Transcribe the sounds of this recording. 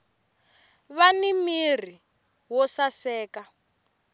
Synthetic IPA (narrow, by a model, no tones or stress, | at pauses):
βanimir̤i | wɔsasɛːka